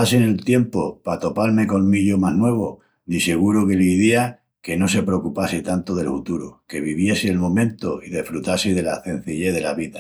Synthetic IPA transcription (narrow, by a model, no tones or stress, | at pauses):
asene̞lt̪je̞mpopat̪o̞paɾme̞ko̞lmiʎomaɦnwe̞β̞o | nise̞ɣ̞uɾoke̞liðia | ke̞no̞se̞pɾeokupaset̪ant̪oð̞e̞lfut̪uɾoke̞βiβ̞je̞seːlmõ̞mẽ̞nt̪oiðe̞fɾut̪aseð̞e̞laθẽ̞n̟θiʎe̞ðe̞laβiða